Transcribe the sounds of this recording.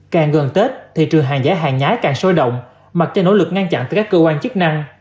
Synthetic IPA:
kaː˨˩ŋɣə˨˩nt̪e˦˥t̚t̪ʰi˨˩t͡ɕɨ˨˩əŋɦaː˨˩ŋzaː˨˦˥ɦa̰ː˨˩ŋɲaː˨˦jkaː˨˩ŋso˧jɗə̰˧˨wŋ͡m | ma˨˩t̚t͡ɕe˧no˧˥lɨ˨˩k̚ŋa˧nt͡ɕa̰˧nt̪aː˧˩kaː˦˥kːəː˧kwaː˧nt͡ɕɨ˦˥k̚na˧ŋ

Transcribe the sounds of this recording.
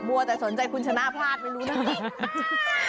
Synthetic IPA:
mu˧ɐt̪ɛː˨˩so˩˦nt͡ɕa˧jkʰu˧nt͡ɕʰa˧na˥˩pʰaː˥˩t̪̚ma˥˩jɾuː˦˥na˦˥˩

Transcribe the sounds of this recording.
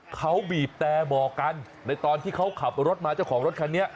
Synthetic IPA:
kʰa˦˥wbiː˨˩p̚t̪ɛː˧bɔː˨˩kːa˧nːa˧jt̪ɔː˧nt̪ʰiː˥˩kʰa˦˥wkʰa˨˩p̚ɾo˦˥t̪̚maː˧t͡ɕa˥˩wkʰɔː˩˦ŋɾo˦˥t̪̚kʰa˧nːi˦˥ɐʔ

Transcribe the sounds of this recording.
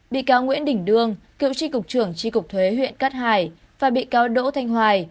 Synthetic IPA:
ɓḭ˧˨kaː˨˦wŋwḭ˧˥ənɗï˧˩ŋ̟ɗɨ˧əŋ | kḭ˧˨wt͡ɕi˧kʊ˨˩k͡p̚t͡ɕɨ˧˩əŋt͡ɕi˧kʊ˨˩k͡p̚t̪ʰwe˨˦ɦwḭ˧˨ənkaː˦˥t̚haː˨˩j | vaː˨˩ɓḭ˧˨kaː˨˦wɗo̰˧˥t̪ʰa˧jŋ̟ɦwaː˨˩j

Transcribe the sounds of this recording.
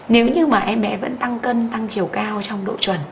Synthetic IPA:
ne˨˦wɲɨ˧maː˨˩ʔɛ˧mːɛ̰˧˥və̰˧˥nt̪a˧ŋkə˧nt̪a˧ŋt̪ʰi˨˩əwkaː˧wt͡ɕɔ˧wŋ͡mɗo̰˧˨t͡ɕwə˨˩n

